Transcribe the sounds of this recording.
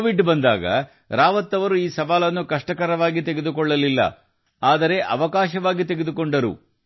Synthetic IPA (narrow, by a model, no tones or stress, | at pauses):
ʋiɖbɐnd̪aːɡɐ̰ | ɾaːʋɐt̪ːɐʋɐɾuiːsɐʋaːlɐnːukɐʂʈɐkɐɾɐʋaːɡit̪eɡed̪ukɔɭːɐlilːɐ̰ | aːd̪ɐɾe̞ʔɐ̰ʋɐkaːʃɐʋaːɡit̪eɡed̪ukoɳɖɐɾṵ